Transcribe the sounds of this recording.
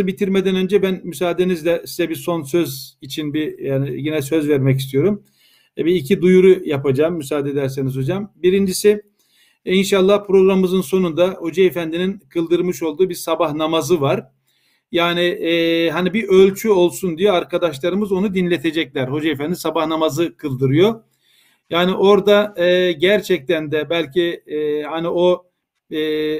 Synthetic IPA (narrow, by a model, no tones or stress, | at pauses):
ɯbit̪ʰiɾmed̪ænø̞nd͡ʒɛbænmys̬aːd̪enizd̪ɛsizɛbiso̞nsø̞zit͡ʃʰinbijaːniɟenɛsø̞zvɛɾmɛcist̪ʰijo̞ɾum | biːcʰid̪ujuɾujapad͡ʒaːmːysaːd̪ed̪æɾsenizho̞d͡ʒambiɾind͡ʒisi | inʃalˠːahpʰɾo̞ɡɾamɯmɯzɯnso̞nund̪aho̞d͡ʒaefænd̪ininkʰɯlˠd̪ɯɾmɯʃo̞lˠd̪uːbiɾsabahnamazɯvaɾ | jaːniɦanibiʔølʲt͡ʃʰyo̞lˠsund̪ijoaɾkʰad̪aʃlˠaɾɯmɯzo̞nud̪inlʲet̪ʰe̞d͡ʒɛclʲæɾho̞d͡ʒaefænd̪isabahnamazɯkʰɯlˠd̪ɯɾɯjo̞ | jaːniʔo̞ɾd̪aɟæɾt͡ʃʰɛc̚t̪ʰænd̪ɛbælʲcʰihanio